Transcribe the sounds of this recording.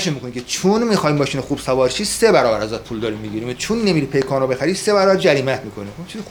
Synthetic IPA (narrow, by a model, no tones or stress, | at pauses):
ʃemiːkʰonikʰʲet͡ʃʰunmixɒːjiːɒːʃiːnexub̥sævɒːɾʃʰiːsebæɾɒːbæɾæzæt̪̚pʰuːld̪ɒːɾimːiɟiɾiːmet͡ʃʰunːemiɾipʰejkʰɒːnobe̞xæɾiːsebæɾɒːbæɾd͡ʒæɾiːmæt̪ʰmiːkʰo̞niunt͡ʃʰiz